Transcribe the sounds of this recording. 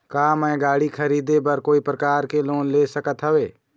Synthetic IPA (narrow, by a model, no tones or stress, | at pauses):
kaːmɛ̃ːɡaːɽikʰəɾiːd̪ebɐɾkoːipɾəkaːɾkeloːnleːsəkət̪ɦəʋeː